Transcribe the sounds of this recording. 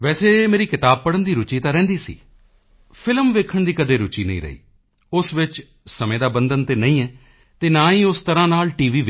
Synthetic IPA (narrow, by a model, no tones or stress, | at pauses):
ʋɛːseːmeːɾiːkɪt̪aːb̚pəɽənd̪iːɾʊt͡ʃiːt̪ãːɾɛ̃ːnd̪iːsḭː | pʰɪlmʋeːkʰəɳd̪iːkəd̪eːɾʊt͡ʃiːnə̰ḭ̃ːɾə̰ḭː | ʊsʋɪt͡ʃ | səmẽːd̪aːbənd̪ənt̪eːnəĩːɛː | t̪eːnãːĩːʊst̪əɾãːnaːlʈiːʋiːʋ